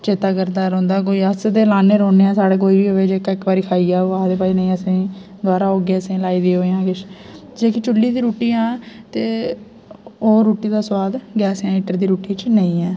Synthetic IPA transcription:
t͡ʃeːt̪aːkəɾd̪aːɾõːnd̪aːk̬oːiːəsd̪eːlaːneːɾõːneːãːsaːɽeːk̬oːiːbiːɦoːʋeːd͡ʒeːkaːɪkbaːɾiːkʰaːiːaːoːaːd̪eːpaːiːnə̃ĩːəsĩː | d̪waːɾaːoːɡeːəsẽːlaːiːd̪iːɦoːeːãːkɪt͡ʃʰ | d͡ʒeːkɪt͡ʃʊlːiːd̪iːɾuːʈiːãːt̪eː | oːɾuːʈiːd̪aːswaːd̪ɡɛːsãːiːʈəɾd̪iːɾuːʈiːt͡ʃnəĩːɛː

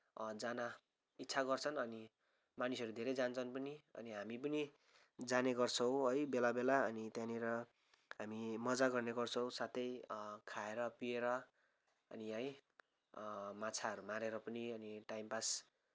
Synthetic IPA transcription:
d͡zana | itːt͡sʰaɡʌrt͡sʰʌnʌni | manisʌɾud̪ʱeɾejd͡zant͡sʰʌnpʌniʌ̰niɦamip̬ʌni | d͡zaneɡʌrt͡sʰʌw̃ɦʌjbelabelaʌnit̪jãneɾʌ | ɦamimʌd͡zaɡʌrneɡʌrt͡sʰʌ̃w̃sat̪ʰʌjkʰaeɾʌpieɾʌ | ʌ̰niʌj | mat͡sʰaʌɾumaɾeɾʌpʌniʌniʈajmpas

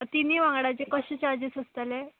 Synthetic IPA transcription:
t̪inːiːʋãŋɡɽat͡ɕekəɕẽt͡ɕaɾd͡ʑit͡səst̪ale

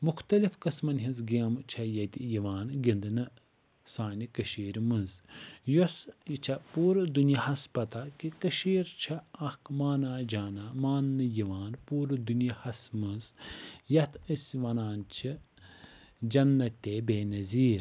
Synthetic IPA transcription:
muxt̪ɐlifkɐsmɐnɦinzɡimt͡ʃʰɐjɐt̪ʲijiʋaːnɡʲind̪ɨnɨ | saːnʲikɐʃiːɾmɨnzjosjit͡ʃʰɐpuːɾɨd̪unjɐhɐspɐt̪akikɐʃiːɾt͡ʃʰɐɐkmaːnaːd͡ʒaːnaːmaːnːɨjiʋaːnpuːɾɨd̪unjɐhɐsmɨnzjɐt̪ʰɨsʲʋɐnaːnt͡ʃʰi | d͡ʒɐnːɐt̪ʲːeːbeːnɐziːɾ

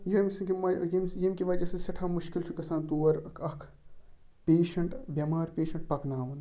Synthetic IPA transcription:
jɐmsɐkimɐjimjɐmkiʋɐd͡ʒɐsesɐʈʰaːmuʃkilt͡ʃʰukɐsaːnt̪uːɐɾkɐkʰ | peːʃɐɳʈbʲɐmaːɾpeːʃɐɳʈ̚pɐknaːʋɐn

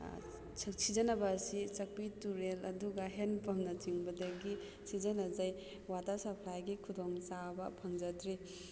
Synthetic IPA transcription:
sizɐnɐbɐːsit͡ʃɐk̚pituɾelɐduɡɐɦenpɐmnɐt͡ʃiŋbɐdɐɡi | sizɐnɐzaj | watɐsɐpʰlajɡikʰudoŋt͡ʃabɐpʰɐŋzɐtɾi

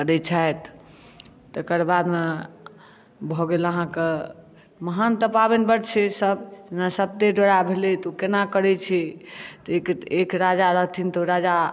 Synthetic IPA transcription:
kəɾɛt͡ʃʰajt̪ | t̪ekəɾbad̪me | bʱɔɡeləɦãke | məɦant̪əpabenbəɾt͡ʃʰɛsəbd͡ʒenasəb̚t̪eɖoɽabʱelet̪ukenakəɾɛt͡ʃʰɛt̪ekekɾad͡ʒaɾəɦt̪ʰint̪oɾad͡ʒa

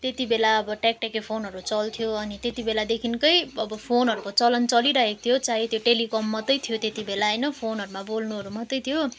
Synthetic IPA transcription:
t̪et̪ibelaʌbʌʈak̚ʈakepʰonɦʌɾut͡sʌlt̪ʰijoʌnit̪et̪ibelad̪ekʰinkʌjʌbʌpʰonɦʌɾukot͡sʌlʌnt͡sʌliɾʌɦekt̪ʰijot͡saɦit̪ʰjoʈelikʌmːʌt̪ʌjt̪ʰijot̪et̪ibelaʌjnʌpʰonɦʌɾumabolnuɦʌɾumʌt̪ʌjt̪ʰjo

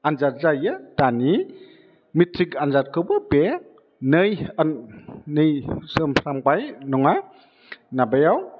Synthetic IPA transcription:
anzat̚zajɯd̥ani | mitʰɾikanzat̚kʰɯwbɯbe | nɯjannɯjsɯmɾambajnɔŋa | nabajaw

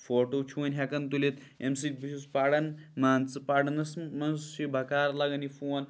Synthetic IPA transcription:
foːʈoːt͡ʃʰuɐnʲɦɐkɐnt̪ulit̪ | ems̬it̪̚biʃuspaɽɐnmaːnt͡sɨpaɽɐnɐsmɐnst͡ʃʰibʱɐkaːɾlɐɡɐnifuɐn

